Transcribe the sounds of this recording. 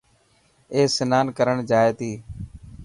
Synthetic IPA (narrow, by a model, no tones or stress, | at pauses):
eːsɪnaːnkəɾəɳd͡ʒaːeːt̪iː